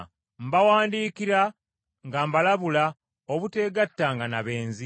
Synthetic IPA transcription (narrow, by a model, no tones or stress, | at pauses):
mbawaːndiːkiɾa | ŋɡambalaβula | oβute̞ːɡatːaŋɡanaβe̞ːnzi